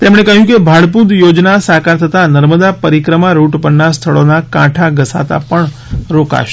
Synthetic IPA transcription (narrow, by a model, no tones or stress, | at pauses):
t̪emɽekəɦjũkebʱaɭpud̪jod͡ʒnasakaɾt̪ʰət̪anəɾməd̪apəɾikɾəmaɾuʈpənːast̪ʰəɭonakãʈʰaɡəsa̰t̪a̰pəɳ | ɾoka̰ʃe̥